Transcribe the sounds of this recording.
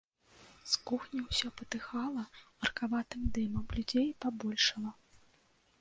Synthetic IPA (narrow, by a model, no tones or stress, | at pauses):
skuxnʲiwsʲɔpɐt̪ɨxalˠɐmɐrkavat̪ɨmd̪ɨmɐmlʲud͡zʲejpabɔlʲʂɐlˠɐ